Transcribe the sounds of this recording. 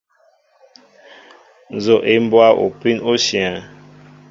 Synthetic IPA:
n̩˨zo˨ʔe˦m˦bwa˦ʔo̰˨pi˦no˦si˨a˨

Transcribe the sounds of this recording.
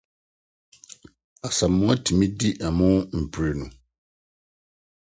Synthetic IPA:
a˨sa˨mːʊ̃˦a˦tʰi˨mĩ˦di˦ʔa˨mʊ̃˦m̩˨pʰu˨ɾe˨nũ˨

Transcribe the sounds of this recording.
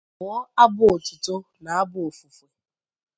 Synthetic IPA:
ɔ˦a˦bʊ˦o˨tʊ˨to˦na˨a˦bʊ˦o˨fu˨fu˨

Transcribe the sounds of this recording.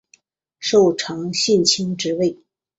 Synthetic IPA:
ʂo˥˧ʊʈ͡ʂʰɑ˧˥ŋɕi˥˩nt͡ɕʰi˥ŋʈ͡ʂɻ̩˧˥we˥˩ɪ

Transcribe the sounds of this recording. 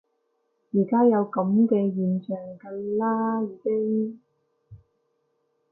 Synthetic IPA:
jiː˨˩kaː˥jɐ˨˧wkɐ˨˥mkɛː˧jyː˨˩nt͡ʃœː˨˩ŋkɐ˧laː˥jiː˨˧ke˥ŋ

